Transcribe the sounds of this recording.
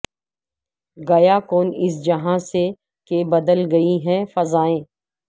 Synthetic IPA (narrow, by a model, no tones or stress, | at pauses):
ɡɐjakoːnɪs̬d͡ʒɐɦãse | kebɐd̪əlɡɐiɦɛ̃fɐzaːẽː